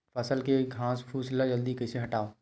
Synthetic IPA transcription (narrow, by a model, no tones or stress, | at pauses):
pʰɐsəlkeɡʱãːspʰuːslad͡ʒəld̪ikɐɪseɦɐʈaːo